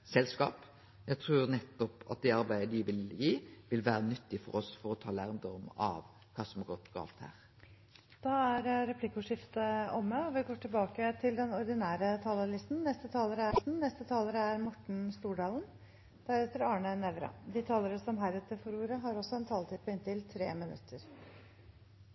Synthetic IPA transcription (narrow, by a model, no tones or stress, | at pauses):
sɛlskɑ̰ːp | jæt̪ʰɾuːɾnɛt̪ːɔpɑ̰t̪̚d̪ɛɑɾbæɪəd̪ɪʋɪljiːʋɪlʋæːɾənʏt̪ːɪfɔ̰ɾɔsfɔɾɔt̪ʰɑːlæɾmd̪ɔɔmɑ̰ʋ | kʰɑːsɔmɑɡɔt̪ːɡɑ̰ːlt̪hæ̰ːʁ | d̪̥ɑːæɾɾɛpʰlɪkʊʂɪft̪əɔmːəɔʋɪɡoːʈɪlbɑːkət̪ʰɪld̪ɛnɔɾd̪ɪnæːɾət̪ʰɑːləlɪst̪n̩nɛst̪ət̪ʰɑːləɾəæn̩nɛst̪ət̪ʰɑːləɾəæɾmɔʈɳ̩st̪uːɖɑːln | d̪̥æɾɛt̪əɾɑːɳənɛʋɾɑ̰d̪ɪt̪ʰɑːləɾəsɔmɦæɪɾɛt̪əfɔɾuːɾəɦɑɾɔsːɔɛnt̪ʰɑːlt̪iːd̪̚pʰɔɪnt̪ɪlt̪ʰɾeːmɪnʉ̰t̪ʰːəɾ